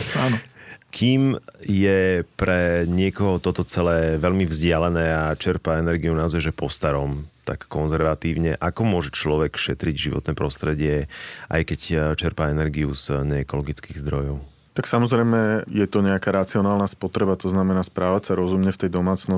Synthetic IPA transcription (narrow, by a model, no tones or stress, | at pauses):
anɔkʰiːmjɛpɾɛɲɪɛkɔɦɔt̪ɔt̪ɔt͡sɛlɛːʋɛʎmivzɟɪalɛnɛːat͡ʃɛɾpaɛnɛɾɡiunaɔzaʒɛpɔst̪aɾɔmt̪a̰kːɔnzɛɾʋat̪iːʊɲɛ̰ʔakɔmʊɔʒɛt͡ʃlɔʋɛkʃɛt̪ɾiɟʒiʋɔ̰t̪nɛːpɾɔst̪ɾɛɟɪɛʔa̰jkɛct͡ʃɛɾpaɛnɛɾɡiṵz̥ɲɛɛkɔlɔɡit͡skiːɣzd̪ɾɔjɔʊ | t̪aksamɔzɾɛjmɛjɛt̪ɔɲɛakaːɾat͡siɔnaːlˠnaːspɔt̪ɾɛbat̪ɔznamɛnaːspɾaːʋacsaɾɔzumɲɛft̪ɛjd̪ɔmaːt͡snɔ